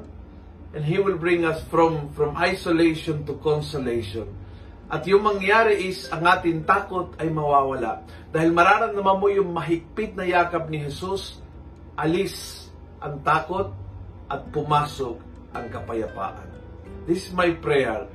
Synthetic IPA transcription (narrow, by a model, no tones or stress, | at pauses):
ʔɛ̃ndɦiwɪlbɹɪŋɐsfɾɔmfɹɔmʔajsolejʃɔnt̪ʊkɔnsolejʃɔ̃n | ʔɐt̪jʊŋmɐŋjaːɾɪʔɪsɐŋʔaːt̪ɪŋt̪aːkot̪ɐjmɐwaːwɐla̰ʔ | d̪aːhɪlmɐɾaːɾɐŋnɐmanmojʊŋmɐɦɪk̚pɪt̪̚nɐjaːkɐp̚nɪɦɛsus | ʔɐlɪs | ʔɐŋt̪aːkot̪̚ʔɐt̪̚pʊmaːsok̚ | ʔɐŋkɐpɐjɐpa̰ːʔɐ̰nd̪ɪsɪsmajpɹɛɛɹ